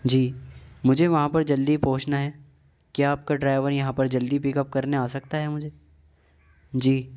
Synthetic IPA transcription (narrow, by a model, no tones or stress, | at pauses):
d͡ʒiːmʊd͡ʒʱeʋɐɦãpɐɾd͡ʒɐld̪ipoːt͡ʃnaɦɛː | kjaaːp̚kaɖɾaːɪʋəɾjɐɦãpɐɾd͡ʒɐld̪ipɪkəp̚kɐɾneaːsɐkt̪aɦɛmʊd͡ʒʱe | d͡ʒiː